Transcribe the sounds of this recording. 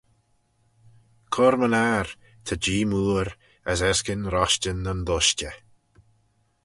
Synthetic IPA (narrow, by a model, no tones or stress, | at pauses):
kʰɔɾmənaɾ | t̪ʰəd͡ʒiːmuːɾ | əsɛskənɾɔʃt͡ʃənːənd̪ʊʃt͡ʃə